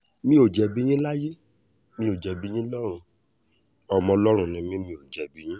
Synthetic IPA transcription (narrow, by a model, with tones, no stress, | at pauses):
mĩ˦o˨d͡ʒɛ˨bĩ˦ĩ˦la˦je˦ | mĩ˧˦o˨d͡ʒɛ˨bi˦j̃ĩ˦lɔ˦ɾ̃ũ˧ | ɔ˧mɔ̃˧lɔ˦ɾ̃ũ˧nĩ˧mĩ˦mĩ˧o˨d͡ʒɛ˨bi˨˦j̃ĩ˦